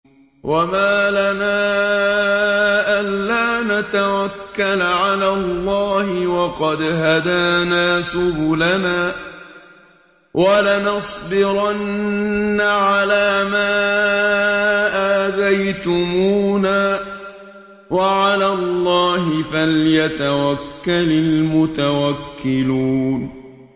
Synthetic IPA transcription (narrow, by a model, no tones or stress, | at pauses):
wʔamaːlanaː | ʔanːaːnat̪awakːalʕalaːlːɑːhɪwɑqɑd̪ɦad̪aːnaːsʊbulanaː | wʔalanɑsˤbɪɾanː | aʕalaːmaː | ʔaːd̪ajt̪ʊmuːnaː | waʕalaːlˤːɑːhɪfaljat̪awakːalɪlmʊt̪awakːɪluːn